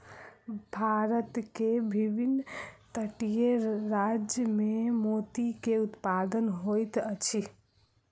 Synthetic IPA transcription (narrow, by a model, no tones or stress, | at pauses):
bʱaɾət̪kebʱibʱinːt̪əʈijeɾad͡ʒjəmemot̪ikeut̪pad̪ənɦojt̪ət͡ʃʰi